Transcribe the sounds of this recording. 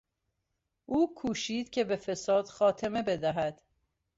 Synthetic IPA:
ʔuːkʰuːʃiːd̪̥cʰe̞befe̞sɒːd̪̥xɒːt̪ʰe̞me̞be̞d̪æɦæd̪̥

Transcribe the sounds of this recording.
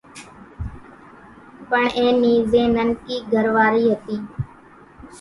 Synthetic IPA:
pəɳẽːniːzẽːnənkiːɡʱəɾʋaːɾiːɦət̪iː

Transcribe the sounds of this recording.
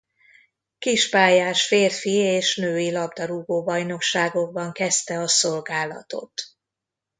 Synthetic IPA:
kiʃpaːjaːʃfeːrfieːʃnøːilɒbd̪ɒɾuɡoːbɒjno̞kʃaːɡo̞ɡ̚bɒŋkɛst̪ɛɒsolɡaːlɒ̰t̪o̞̰t̪

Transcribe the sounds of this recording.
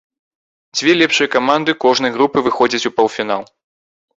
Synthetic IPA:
d͡zʲvʲɛlʲɛpʂɨjɐkamand̪ɨkɔʐnɐjɣɾupɨvɨxɔd͡zʲɐt͡sʲupɐlˠfʲinalˠ

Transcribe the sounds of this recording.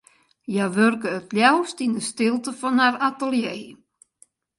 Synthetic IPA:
jaʋørkəːtljawstindəstɪlˠtəfɔnharatəlˠjeː

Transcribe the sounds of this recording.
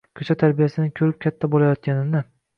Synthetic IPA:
kʲʰɵt͡ʃʰat̪ʰaɾbijasɪnɪkʲʰɵɾɪp̚kʲʰat̪ʰːabolajɒt̪̚kʲʰanɪnɪ

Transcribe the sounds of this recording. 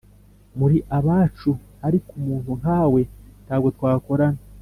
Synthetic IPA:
muɾiʔaβaːt͡ʃuhaɾikumuːn̥huŋhaːwe̞nthaːbɡetwaːko̞ɾana

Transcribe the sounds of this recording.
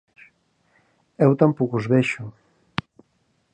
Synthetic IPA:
ɛwt̪ampokuzβeʃʊ

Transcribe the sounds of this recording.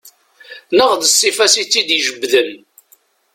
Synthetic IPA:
nəʁðəsːifæsit͡sːid̪jʒəbːðən

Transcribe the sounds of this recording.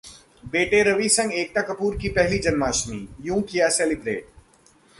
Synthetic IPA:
beːʈeɾɐʋisɐ̃ŋɡeːk̚t̪akɐpuːɾkipɛɦlid͡ʒɐnmaːʃmijũːkijaseːlɪbɾḛːʈ̚

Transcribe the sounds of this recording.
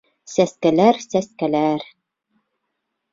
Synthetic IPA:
sæskælæɾsæskælæɾ

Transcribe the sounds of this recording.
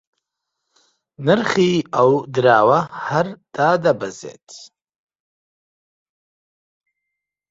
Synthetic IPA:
nɨɾχiawd̪ɾaːwahaɾd̪̥aːd̪abazḛːt̪ʰ

